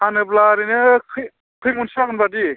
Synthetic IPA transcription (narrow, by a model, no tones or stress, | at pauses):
anɯplaɾinɯkʰɯ | kʰɯjmunsakɯnbadi